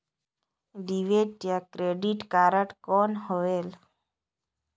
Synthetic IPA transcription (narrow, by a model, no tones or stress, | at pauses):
ɖiʋeʈjakɾeɖiʈkaɾəʈkoːnɦoʋel